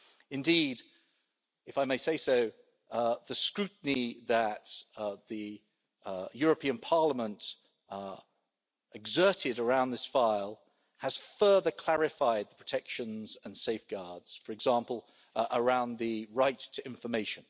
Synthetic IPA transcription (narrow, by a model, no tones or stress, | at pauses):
ɪ̃ndid | ɨfaɪmeɪseɪsoʊ | ðɨskɹʉʔn̩iðət̪ðɨ | jɔɹəpʰĩə̃npʰɑɹləmə̃nt | ɪɡzɜˑ˞tɪɾə˞ãʊ̃nðɪsfaɪlˠ | əz̥fɜ˞ðəkʰl̥æɹɪfaɪd̪̚ðəpʰɹ̥ə̥tʰɛkʃə̃nzə̃nseɪfɡ̥ɑɹdz̥fə˞ɨɡzɑ̃ˑmpəlˠ | ʔəɹãʊ̃nðɨɹaɪtʰɨɪ̃ɱfəmeɪʃə̃n